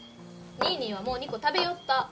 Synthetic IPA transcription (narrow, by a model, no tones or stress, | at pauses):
ɲʲiːɲʲĩːβ̞amo̞ːɲ̟iko̞t̪abe̞jo̞t̪ːa